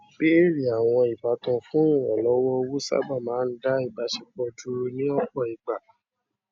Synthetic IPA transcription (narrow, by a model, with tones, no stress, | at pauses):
be˦e˦˨ɾi˨a˨w̃ɔ̃˧i˨ba˨˦tɔ̃˧fũ˦˨ɔ˨lɔ˨˦wɔ˦o˧wu˦sa̰˦ba˦˨mãː˨˦n̩˦da˦i˦˨ba˨˦ʃi˦k͡pɔ˧d͡ʒu˧˦ɾu˧nĩ˦ɔ˦k͡pɔ˦˨i˨ɡ͡ba˨